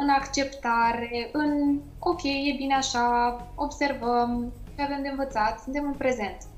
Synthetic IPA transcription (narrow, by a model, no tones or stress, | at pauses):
ɨnakt͡ʃe̞pt̪aɾe̞ɨn | o̞kʲe̞jje̞bineaʃao̞bse̞rvəmʃeave̞md̪e̞ɨnvət̪sat̪sɨnt̪e̞mɨnpɾe̞ze̞nt̪